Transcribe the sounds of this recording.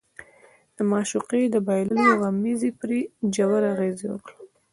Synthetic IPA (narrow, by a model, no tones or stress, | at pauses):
d̪̥əmɑʃuqed̪əbɑjlulojawamizipɾid͡ʒawaɾaɣeziwə̰kla